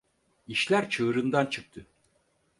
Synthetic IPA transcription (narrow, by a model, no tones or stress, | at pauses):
iʃlʲæɾt͡ʃʰɯːɾɯnd̪ant͡ʃʰɯk̚t̪ʰɯ